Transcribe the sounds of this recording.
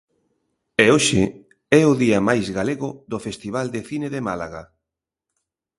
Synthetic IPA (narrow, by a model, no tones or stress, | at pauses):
eoʃɪ̰ | ɛʊðiɐmajzɣaleɣʊðʊfest̪iβ̞ald̪eθineðemalaɣa